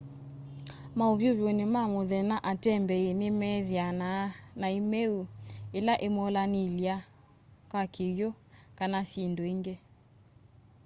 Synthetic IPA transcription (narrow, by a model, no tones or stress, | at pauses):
maoβjoβjonemamoðɛnaʔatɛmbɛenemɛðjananaemɛuelaʔemɔːlanilia | kakeβjo | kanasindoeŋɡe